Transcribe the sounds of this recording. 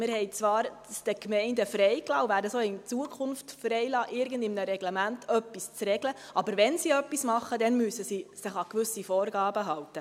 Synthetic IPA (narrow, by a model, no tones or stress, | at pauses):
mɪɾɦɛɪt͡sʋɑːɾsd̥əkmɛɪndəfɾɛjklɑːwvæːɾəsoːɪnt͡suəkʰχʊnftfrɛjlɑːʔɪɾɡəndɪmnəɾɛɡlɛmæntʰœpːist͡srɛɡləʔɑbəɾʋɛnsiœpːismɑχːədɛnmysəsisəχɑkʋʏsifoːɾɡɑːbəɦɑwtə